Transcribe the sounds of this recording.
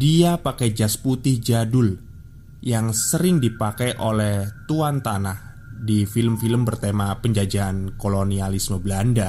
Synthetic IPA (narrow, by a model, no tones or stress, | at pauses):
diapakɛjd͡ʒasput̪ɪhd͡ʒadʊl | jaŋsəɾɪŋdipakɛjʔolɛht̪uant̪anah | difiləmfiləmbərt̪emapəɲd͡ʒad͡ʒaːnkolonialisməbəlanda